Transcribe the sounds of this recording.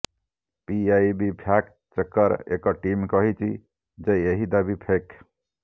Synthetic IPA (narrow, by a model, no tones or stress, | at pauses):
piajbipʰjak | t͡ʃəkːəɾḛkɔʈimkɔɦit͡ʃʰi | d͡ʒeeɦid̪abipʰek